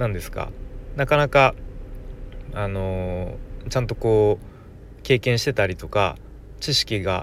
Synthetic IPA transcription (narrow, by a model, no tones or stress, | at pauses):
nãnd̪e̞sɨ̥ka̰nakanaka | ano̞ | t͡ɕãnt̪o̞ko̞ː | ke̞ːkẽ̞ɰ̃ɕi̥t̪e̞t̪aɾʲit̪o̞ka̰ | t͡ɕiɕi̥kʲiɡa